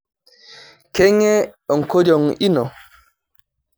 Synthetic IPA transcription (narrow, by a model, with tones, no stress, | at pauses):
kɛ˦ŋɛ˦ɔ˨ŋko˦d͡ʒɔ˨ŋi˦nɔ˨